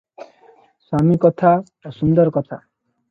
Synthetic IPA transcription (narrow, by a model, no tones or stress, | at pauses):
swamikɔt̪ʰa | asund̪ɔɾkɔt̪ʰa